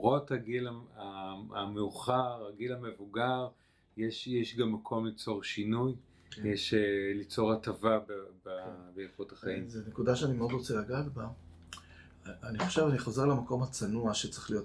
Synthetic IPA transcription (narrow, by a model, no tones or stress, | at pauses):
ʁo̞thaɡilaaameuχaʁaɡilamevuɡaʁ | jeʃjeʃɡamːakʰo̞mlit͡so̞ʁʃinuj | jeʃelit͡so̞ʁatavabbabejafothaχaimzenekudaʃeanimeo̞dʁot͡selaɡatba | aniχo̥ʃevaniχoze̞ʁlamako̞mhat͡sanuaʃet͡sʁe̥lijo̞t